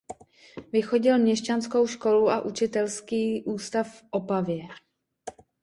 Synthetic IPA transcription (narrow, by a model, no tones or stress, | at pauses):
vɪxo̞ɟɪlmɲɛʃt͡ʃansko̞wʃko̞luʔaʔut͡ʃɪt̪ɛlskiːʔuːst̪affʔopavjɛ